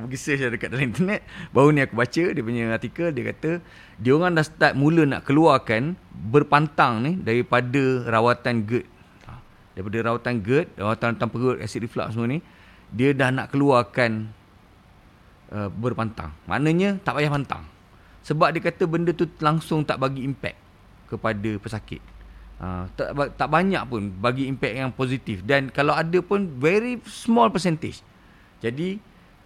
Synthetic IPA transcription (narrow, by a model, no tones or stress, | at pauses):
bəɡisəʃadəkat̪̚dalaint̪ərnɛt̪̚baunĩakubat͡ʃədiəpuɲəart̪ikəldiəkat̪ə | diəoŋandahsə̥t̪at̪̚muləna̰ʔkəluarkanbərpant̪aŋnidaɾipadərawat̪anɡət̪̚ | a | daɾipadəɾawat̪anɡət̪̚rawat̪annt̪aŋpəɡəʔ̪̚a̰sik̚difla̰ʔsəməni | diədahna̰ʔkəluarkan | ʔəbərpant̪a̰ŋmʔa̰ʔnəɲə̃t̪aʔbajahpant̪a̰ŋ | səbap̚diəkat̪əbəndət̪ulaŋsʊŋt̪aʔbaɡiːmpɛ̰k̚ | kəpadəpəsakɪ̰t̪̚ʔə̰t̪aʔbat̪aʔbaɲa̰ʔpʊnbaɡiːmpɛk̚jaŋpozit̪ifdankalawadəpʊnvɛɾismɔlpəsɛnt̪ɪd͡ʒ | d͡ʒadi